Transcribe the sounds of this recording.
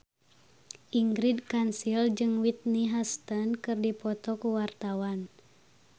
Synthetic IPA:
ʔiŋɡɾidkansild͡ʒɨŋwit̪̚niɦast̪ənkɨrdipɔt̪ɔkuwart̪awan

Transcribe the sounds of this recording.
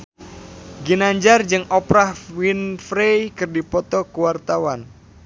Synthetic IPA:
ɡinaɲd͡ʒard͡ʒɨŋɔpɾahwinfɾejkɨrdipɔt̪ɔkuwart̪awan

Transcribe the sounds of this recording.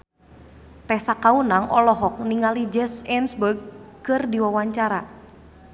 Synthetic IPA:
t̪ɛhsakaunaŋɔlɔɦɔk̚niŋalid͡ʒɛsɛnsbərɡ̚kɨrdiwawaɲt͡ʃaɾa

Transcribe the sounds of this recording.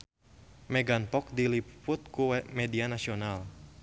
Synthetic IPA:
mɛɡanpɔk̚dilipʊt̪̚kuwmɛdianasional

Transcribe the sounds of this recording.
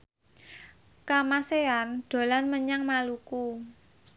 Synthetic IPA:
kamaseanɖ̪̥o̤lanməɲaŋmaluku

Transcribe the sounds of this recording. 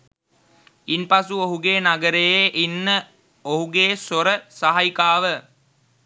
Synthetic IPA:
inpasuoɦuɡeːnaɡəɾejeʔinːə | oɦuɡeːsoɾəsaɦajikaːʋə

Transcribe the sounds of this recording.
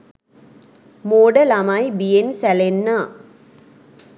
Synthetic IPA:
moːɽɐlamaːjbijensɐlenːa

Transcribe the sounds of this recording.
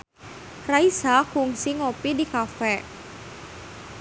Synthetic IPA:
raisakuŋsiŋopidikafɛ

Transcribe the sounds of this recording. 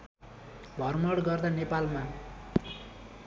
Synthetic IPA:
bʱʌrmʌɽɡʌrd̪anepalma

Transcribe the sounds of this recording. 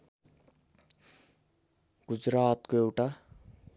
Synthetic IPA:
ɡ̥ʊd͡ʒɾaːt̪koewʈa

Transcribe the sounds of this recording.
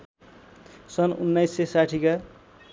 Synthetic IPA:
sʌnṵnːajsːesaʈʰika

